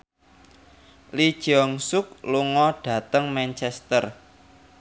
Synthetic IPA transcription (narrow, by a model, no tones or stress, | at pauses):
lid̥ʒ̥ɔŋsʊk̚luŋɔɖ̥ä̤t̪əŋmɛnt͡ʃɛst̪ər